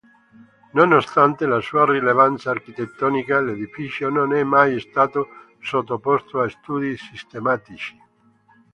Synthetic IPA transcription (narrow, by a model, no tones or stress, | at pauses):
nonost̪ant̪elasuːarilevant̪saːrkit̪et̪ːɔnikaled̪ifit͡ʃjononɛmːajest̪aːt̪o | sot̪ːopɔst̪oaest̪uːd̪isist̪emat̪it͡ʃi̥